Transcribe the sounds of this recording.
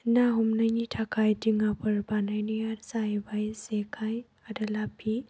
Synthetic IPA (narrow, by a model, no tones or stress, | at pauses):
naɦumnajnitʰakʰajdiŋapʰɐɾbanajnɔjaɾzajbajzekʰaj | adɐlapʰi